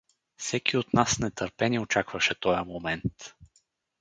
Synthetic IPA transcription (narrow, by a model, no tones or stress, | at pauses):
fsɛkiot̪nasnɛt̪əɾpɛniot͡ʃakvəʃɛt̪ɔjəmomɛnt̪